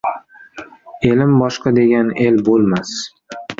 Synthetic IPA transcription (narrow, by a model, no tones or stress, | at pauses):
e̞lɪmbɒʃqʰɑd̪e̞ɡʲane̞lbolˠmas